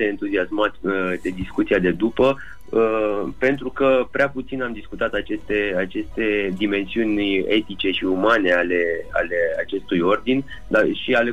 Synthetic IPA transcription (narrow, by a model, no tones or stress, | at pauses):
eɨnt̪uziasmat̪d̪ed̪iskut̪siad̪e̞d̪upə | əpe̞nt̪ɾukəpɾeaput̪sinamd̪iskut̪at̪at͡ʃe̞st̪e̞at͡ʃe̞st̪e̞d̪ime̞nsiunʲe̞t̪it͡ʃe̞ʃiumane̞ale̞a̰le̞at͡ʃe̞st̪ujo̞rd̪inʲ | d̪aʃiale